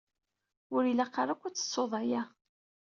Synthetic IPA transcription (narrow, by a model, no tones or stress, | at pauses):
ʊɾilæqːɑɾˤækʷːʊt͡sːə̥sˤːoðˤɑjæ